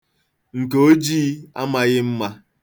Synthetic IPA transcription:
ŋ̩˨ke˨o˦d͡ʒiː˦a̰˦ma˦ɣɪ˦m̩˦ma˦

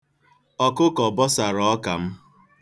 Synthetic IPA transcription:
ɔ˦˨kʊ˦kɔ˨bɔ˦sa˨ɾɔ˦ka˨m̩˦

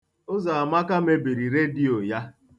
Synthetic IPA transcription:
ʊ˦za˨ma˦ka˦me˦bi˨ɾi˨ɾe˦di˦o˨ja˦

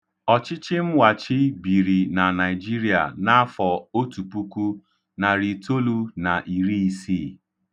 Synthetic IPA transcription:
ɔ˨t͡ʃɪ˦t͡ʃɪ˦m̩˦wa˨t͡ʃɪ˦bi˨ɾi˨na˨na˨ɪ˨d͡ʒi˦ɾi˦a̰˨na˦a˦fɔ˨o˦tu˨pu˦ku˦ | na˨ɾi˨to˦lu˦na˨ʔi˨ɾi˦si˦˨

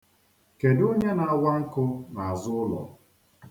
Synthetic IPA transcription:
ke˨dʊ˦ɲe˦na˨a˨wʷa˦ŋ̩˦kʊ˦na˨a˨zʊ˦ʊ˦lɔ̰˨

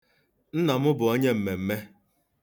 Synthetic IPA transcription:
n̩˦nɔ˨mʊ˦bʊ˨o˦ɲe˦m̩˨me˨m̩˦me˦

